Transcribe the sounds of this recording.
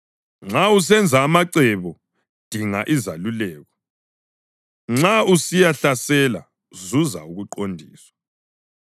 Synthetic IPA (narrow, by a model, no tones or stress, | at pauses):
ŋ͡ǁaus̬ɛnd͡zʱaːmaǀɛβɔ | d̥ʱiŋaʔizalulɛːɣɔ | ŋ͡ǁausijaɬasɛla̰ | zuza̰uɣuǃondʱiːswḁ